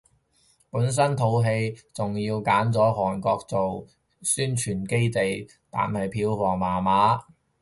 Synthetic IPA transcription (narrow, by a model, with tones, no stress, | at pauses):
puː˨˥ns̬ɐ˥nt̪ʰo˨˥wɦe˧jt͡sʊ˨ŋjiː˧wkaː˨˥nt͡sɔː˨˥ɦɔː˨˩nkɔː˧k̚t͡so˨w | syː˥nt͡ʃʰyː˨˩nke˥jt̪e˨j | t̪a̰ː˨nhɐ˨jpʰiː˧wfɔː˨˩ŋmaː˨˩maː˨˥